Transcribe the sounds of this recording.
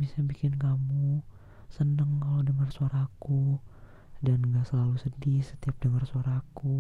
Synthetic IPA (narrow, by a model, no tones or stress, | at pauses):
bisabikɪnkamu | sənəŋkalodəŋərsuaɾaku | danŋɡaʔsəlalusədisə̥t̪iap̚dəŋərsuaɾaku